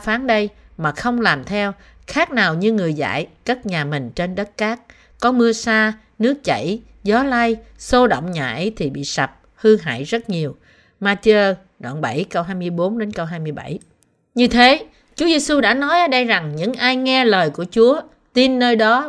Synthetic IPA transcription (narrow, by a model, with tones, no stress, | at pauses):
faː˨˦nɗə˧j | maː˨˩xə˧wŋ͡mlaː˨˩mt̪ʰɛ˧w | xaː˦˥k̚naː˨˩wɲɨ˧ŋɨ˨˩əjza̰ː˧˨jkə˦˥t̚ɲaː˨˩mï˨˩ŋ̟t͡ɕe˧nɗə˦˥t̚kaː˦˥k̚ | kɔ˨˦mɨ˧əsaː˧ | nɨ˦˥ək̚t͡ɕə̰˧˩˨j | zɔ˨˦la˧jso˧ɗo̰˧˨wŋ͡mɲaː˨˩ʔə˨˦jt̪ʰi˨˩ɓḭ˧˨sa˨˩p̚ | hɨ˧ɦa̰ː˧˨jzə˦˥t̚ɲi˨˩əw | maː˧t̪i˧əː˧ | ɗwa̰ː˧˨nɓa˧˩jkə˧wɦaː˧jmɨ˧əjɓo˨˦nɗe˨˦nkə˧wɦaː˧jmɨ˧jɓa̰˧˩j | ɲɨ˧t̪ʰe˨˦ | t͡ɕu˨˦əze˧su˧ɗa̰ː˧˥nɔ˨˦jʔəː˧˩ɗə˧jza˨˩ŋɲɨ̰˧˥ŋʔaː˧jŋɛ˧ləː˨˩jku˧˩ət͡ɕu˨˦ə | t̪i˧nːəː˧jɗɔ˨˦